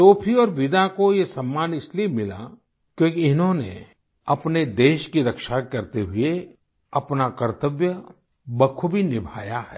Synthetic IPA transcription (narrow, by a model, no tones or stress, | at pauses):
t̪oːpʰiɔːɾʋɪd̪akojesɐmːaːnɪsliemɪla̰ | kjõːkiɪnɦõnḛ | ɐpned̪eːʃkiɾɐkʃakɐɾt̪eɦʊe | ɐpnakɐɾt̪əʋjə | bɐkʰubʱinɪbʱa̰ːjaɦɛ̰ː